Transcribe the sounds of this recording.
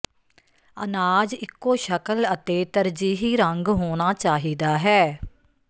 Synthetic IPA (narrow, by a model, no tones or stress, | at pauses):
ə̰naːd͡ʒɪkːoːʃəkələt̪eːt̪əɾd͡ʒiːɦiːɾəŋɡɦoːnaːt͡ʃaːɦiːd̪aːɦɛː